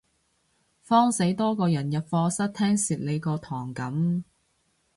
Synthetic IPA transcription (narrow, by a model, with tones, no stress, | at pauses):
fɔː˥ŋse˨˥jt̪ɔː˥kɔː˧jɐ˨˩njɐ˨t̚fɔː˧sɐ˥t̚t̪ʰɛː˥ŋsiː˨˩t̚le˨˧jkɔː˧t̪ʰɔː˨˩ŋkɐ˨˥m